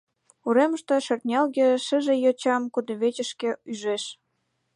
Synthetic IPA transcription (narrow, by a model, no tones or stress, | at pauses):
uɾeməʃt̪eʃert̪nʲɑlɣĕʃə̆ʒĕjot͡ɕɑmkud̪ɤ̆βet͡ɕə̆ʃkĕyʒeʃ